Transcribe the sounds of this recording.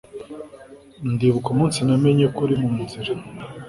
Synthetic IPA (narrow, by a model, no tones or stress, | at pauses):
ndiβukumuːnsinameɲekuɾimumut͡siɾe